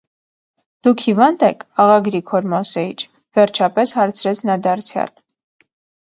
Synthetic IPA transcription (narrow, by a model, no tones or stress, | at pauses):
d̪̥ukʰhivɑnd̪ɛkʰɑʁɑɡɾikʰɔɾmɔsɛit͡ʃʰ | vɛɾt͡ʃʰɑpɛshɑɾt͡sʰɾɛt͡sʰnɑd̪ɑɾt͡sʰjɑ̰l